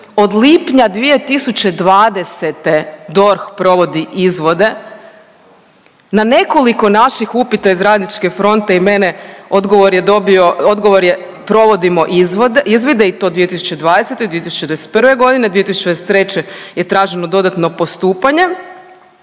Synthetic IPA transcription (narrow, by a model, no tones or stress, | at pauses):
o̞d̪lipɲad̪ʋije̞t̪isut͡ɕe̞d̪ʋaːd̪e̞set̪e̞d̪o̞ɾxpɾo̞ʋo̞d̪iʔizʋo̞d̪e̞ | nane̞ko̞liko̞naʃixupit̪aizɾaːd̪nit͡ʃke̞fɾo̞nt̪eimeneo̞d̪ɡoʋoɾjed̪obio̞od̪ɡo̞ʋo̞ɾje | pɾo̞ʋo̞d̪imo̞ʔizʋd̪izʋid̪eit̪od̪ʋije̞t̪isu̥t͡ɕe̞d̪ʋaːd̪ese̞t̪ed̪ʋiet̪isut͡ɕed̪ese̥t̪pr̩ʋe̞ɡo̞d̪ined̪ʋijet̪isut͡ʃt͡ɕed̪eset̪ɾet͡ɕeje̞t̪ɾaːʒenod̪o̞d̪at̪no̞po̞st̪uːpaɲe̞